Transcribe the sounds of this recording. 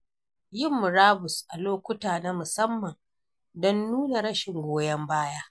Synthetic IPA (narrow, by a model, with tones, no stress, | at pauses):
jɪ˦˨mːʊ˨ɾaː˦bʊ˨sʔa˨loː˦kʷʊ˦taː˨na˦mʊ˨sɐ˦mːɐ˨n | dɔ˦nːuː˦na˨ɾɐ˦ʃɪ˨ŋɡʷoː˦jɐ˦mbaː˦jaː˦